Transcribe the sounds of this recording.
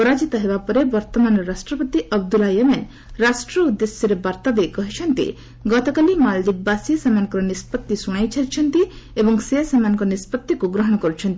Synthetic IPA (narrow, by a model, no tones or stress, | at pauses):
pɔɾad͡ʒit̪ɔɦebapɔɾebɔɾt̪ɔmanɾasʈɾɔpɔt̪iɔb̚d̪ulajeman | ɾasʈɾɔud̪ːesjɔɾebaɾt̪ad̪ekɔɦit͡ʃʰɔnt̪ḭ | ɡɔt̪ɔkalimald̪ibːasiɔsamanŋkɔɾɔnispɔt̪ːisuɽ̃ajt͡ʃʰaɾt͡ʃʰɔnt̪iebɔŋsesamanɔŋkɔɾɔnispɔt̪ːikuɡɾɔɦɔ̃ɔkɔɾut͡ʃʰɔnt̪i